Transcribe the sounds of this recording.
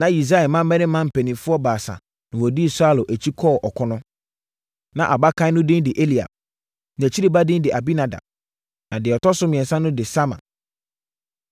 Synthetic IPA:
nã˨i˨s̬a˦ɛ˨mã˦mɛ̃˦nɪ̃˦mːã˦m̩˨pʰɛ˨nĩ˨fʊ˦ɔ˦baː˨sa̰˨ | nʊ̃˨wɔ˨di˦˨sa˦lʊ˨ʔæ˨t͡ɕʰi˦kʰɔ˦˨ʔɔ˨kʰɔ˦nʊ̃˦ | nã˨ʔa˨ba˦kʰã˦nʊ̃˦dɪ̃˦ndɪ˨ʔe˦li˨a̰˨b̚ | ñ˨æ˨t͡ɕʰi˦ɾi˦ba˦dɪ̃˦ndɪ˨ʔa˨bi˦nã˨dã̰˨b̚ | nã˨dɪ˨ɔ˨tɔ˦sʊ˦mɪ̃˨ɛ̃˨nsã˦nʊ̃˦dɪ˨sa˦mã̰˨

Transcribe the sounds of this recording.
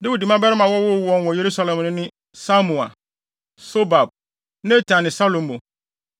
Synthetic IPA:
dwi˨di˨mã˦bɛ˦ɾɪ˦mã˨wɔ˦wʊ˦wɔ̃˦n˦wɔ˨je˨ɾu˦sa˦lɛ̃˨mnʊ̃˦nɪ̃˦ | sa˦mũ˨a̰˨ | so˦ba˨b̚ | nɛ̃˦tʰã˨nːɪ̃˨sa˦lõ˨m˦bo˨

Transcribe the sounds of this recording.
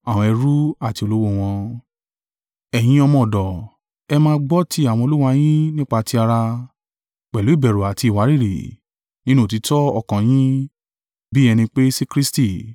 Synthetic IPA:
a˨w̃ɔ̃˧ɛ˧ɾu˦a˦˨ti˧o˧lo˦wo˦˨w̃ɔ̃˧ | ɛ˨j̃ĩ˨˦ɔ˧mɔ̃˧˨dɔ˨ | ɛ˧mãː˧˦ɡ͡bɔ˦ti˦a˨w̃ɔ̃˧o˧lu˦wa˧j̃ĩ˦nĩ˦k͡pa˧ti˧a˧ɾa˧ | k͡pɛ˨lu˨˦i˦˨bɛ˨ɾo˨a˨ti˧i˨wa˨˦ɾi˦˨ɾḭ˨ | nĩ˦nũ˦˨ti˨˧tɔ˦ɔ˦˧˨kã˧j̃ĩ˦ | bi˦ɛ˧nĩ˧k͡pe˦si˦kɾi˦sti˦˨

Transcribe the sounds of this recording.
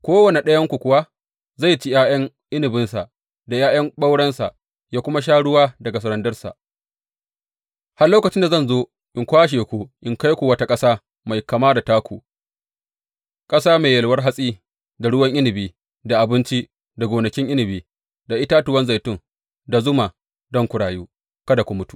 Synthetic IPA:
kʷoː˦wɐ˨ne˨ɗɐ˦jɐ˦ŋkʷu˨kʷʊ˨wa˦ | za˦˨jt͡ʃi˦jaː˦jɐ˦ŋ | ʔɪ˦nɪ˨bɪ˦nsa˨ʔ | da˨jaː˦jɐ˦ŋɓa˦wɽɐ˦nsa̰˨ʔ | jaː˦kʷʊ˦ma˦ʃ̬aː˦ɽʊ˦waː˦dɐ˨ɡa˨s̬ɐ˨ɾɐ˨ndɐ˦rsa̰˨ʔ | ha˦rloː˦kɐ˨t͡ʃɪ˦nda˨zɐ˦˨nzoː˦ | ʔɪ˨ŋkʷaː˦ʃ̬eː˨kʷu˦ʔɪ˨ŋka˦jkʷu˨wɐ˦ta˦kʼɐ˦saː˦ | ma˨jkɐ˨maː˦da˨taː˦kʷu˨ | kʼɐ˦saː˦meː˨jɐ˨lwɐ˦rɦa˦sʼiː˦ | da˨ɽʊ˦wɐ˦ŋʔɪ˦nɪ˨biː˨ | da˨ʔa˨bɪ˦nt͡ʃi˦ | da˨ɡʷoː˨nɐ˨kʲɪ˦ŋʔɪ˦nɪ˨biː˨ | da˨ʔɪ˦taː˦tʊ˨wɐ˦nza˨jtʊ˦ŋ | da˨zʊ˦ma˨ | dɔ˦ŋkʷʊ˨ɽaː˨juː˦ | kɐ˦da˨kʷu˨mʊ˦tu̥˨

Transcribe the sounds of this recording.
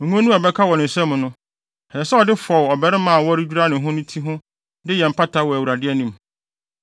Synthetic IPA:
ŋ̩˨ŋʷɔ̃˦nũ˦ɔ˨bɛ˦kʰa˦wɔ̃˨nʊ̃˨sɛ˦m̃˨nʊ̃˦ | hɛ˨ɛ˨sɛ˦ɔ˨dɪ˦fɔ˨wɔ˨bɛ˦ɾɪ˦mã˨wɔ˦ɾɪ˦d͡ʑᶣu˦ɾa˦nɪ̃˨ɦʊ̃˦nʊ̃˦tʰi˦ɦʊ̃˦ | dɪ˦jɛ˨m̩˨pʰa˦tʰa˦wɔ˨æ˨wu˨ɾa˨dɪ˦ɛ˦nĩ˦m

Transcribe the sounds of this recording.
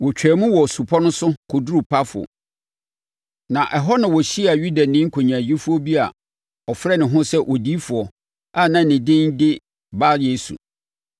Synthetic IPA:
wɔ˨t͡ɕᶣɛː˨mũ˦wɔ˨su˨pʰɔ˦nʊ̃˦sʊ˦kʰʊ˨du˦ɾu˨pʰa˦fʊ˨ɔ̰˨ | nã˨ʔɛ˨ɦɔ˦nã˨wɔ˨ɕi˦a˨ɥu˦da˨nɪ̃˦ŋ̩˦kʰo˨ɲãː˨d͡ʑi˦fʊ˦ɔ˦bi˦a̰˨ | ɔ˨fɾɛ˦nɪ̃˨ɦʊ̃˦sɛ˦ʔɔ˨di˦fʊ˨ɔ˨ | a˦˨nã˨nɪ̃˨dɪ̃˦ndɪ˦ | ba˦je˦sṵ˨

